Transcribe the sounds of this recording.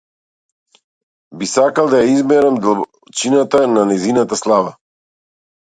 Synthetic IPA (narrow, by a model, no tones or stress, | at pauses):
bisakalˠd̪ajaizmɛɾamd̪alˠ | t͡ʃinat̪ananɛzinat̪aslˠava